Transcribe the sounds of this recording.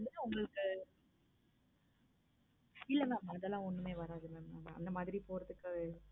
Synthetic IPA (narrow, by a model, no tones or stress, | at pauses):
ɐnd̪ɯnaʊŋɡɐɭɯkːɯ | ɪlːɐmaːmːãːɐðɛlːãːɔnːɯmeːʋɐɾaːðɯmeːmːaːma̰ɐ̰nd̪ɐmaːðɪɾipoːɾɐðɯkːɯ